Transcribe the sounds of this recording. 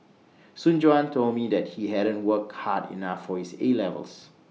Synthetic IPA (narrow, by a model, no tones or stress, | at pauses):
sũnd͡ʒoãntʰolmidɛt̚hiɦɛɾə̃ntwək̚hadḭnafːɔhiselɛvə̰ls